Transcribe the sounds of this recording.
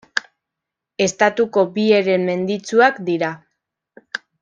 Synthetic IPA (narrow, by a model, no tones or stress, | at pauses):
e̞st̪at̪uko̞bie̞ɾe̞mme̞nd̪it͡suakd̪iɾa